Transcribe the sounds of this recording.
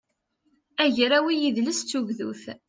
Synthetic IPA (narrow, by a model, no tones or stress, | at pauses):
æʝɾæwijiðləst͡sːuʝðṵθ